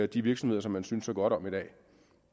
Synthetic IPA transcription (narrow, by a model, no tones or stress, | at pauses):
d̥iʋiɐɡ̥smhe̝ðˠɐsɒ̽mːænsynsɒɡ̥ɒ̽ɾ̥ɒ̽mid̥ɛ̰ː